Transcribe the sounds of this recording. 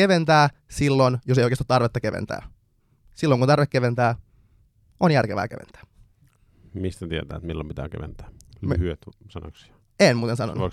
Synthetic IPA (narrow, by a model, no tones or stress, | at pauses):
eʋent̪æː | silːonjosejoˑkest̪t̪ɑrʋet̪ːɑkeʋḛnt̪æ̰ː | silːoŋkunt̪ɑrʋekeʋent̪æː | ʔonjærkeʋæ̰ːkḛʋḛnt̪æ̥ː | mist̪æt̪iet̪æ̰ːt̪milːompit̪æ̰ːkḛʋḛnt̪æ̥ːmhyøt̪sɑno̰ksi̥ɑ | enmuːt̪ensɑno̰nːo